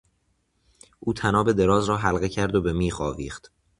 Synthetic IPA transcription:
ʔuːt̪ʰænɒːbe̞d̪e̞ɾɒːzɾɒːɦælɣe̞cʰæɾd̪obemiːχɒːviːxt̪

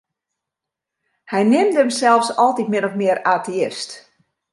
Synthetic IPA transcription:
hɛjnɪmdəmsɛlˠfsɔlˠtitmɪnɔfmɪəɾaːtʰiɪst

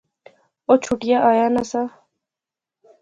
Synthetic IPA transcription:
ot͡ʃʰuʈiaʔajanasa

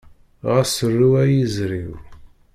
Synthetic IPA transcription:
ʁasərːuæjəzɾiw

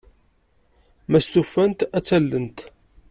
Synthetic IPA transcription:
mæst̪ufːænt̪æt͡sːælːənt̪

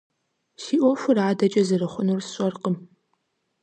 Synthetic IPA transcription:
ʃiːʔʷɔfʷʊraːdɐt͡ʃʼɐzɨrɨχʷʊnursɕʷʼɐrqəm

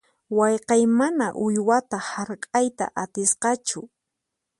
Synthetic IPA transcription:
wɑjqɑjmanaʔʊjwat̪ahaɾkʼajt̪a̰ʔat̪ɪsqɑt͡ʃʊ

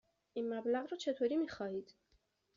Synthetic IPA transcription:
imːablaʁɾɔt͡ʃʰɛt̪ʰwɛɾimiχɑid̪ʰ

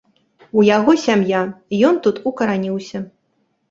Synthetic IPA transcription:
ujaɣɔsʲamjajɔnt̪ut̪ukɐɾanʲiwsʲɐ

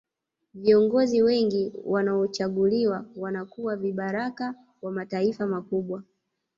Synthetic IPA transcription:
viɔŋɡɔziwɛŋɡiwanaɔt͡ʃaɠuliwawanakuwaviɓaɾaka | kwamataifamakuɓwa

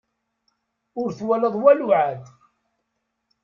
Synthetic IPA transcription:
ʊɾθwæləðˤwælʊʕad̪

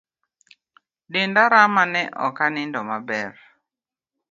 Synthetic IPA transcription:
dɪndaɾamanɛʔɔ̰kanɪndɔmabɛr

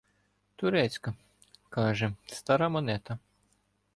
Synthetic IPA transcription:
t̪uɾɛːt̪sʲka | kaːʒɛst̪aɾamanʲɛt̪a

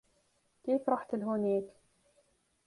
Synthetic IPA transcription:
keːfɾˤɑħt̪ɪlɦuːneːk

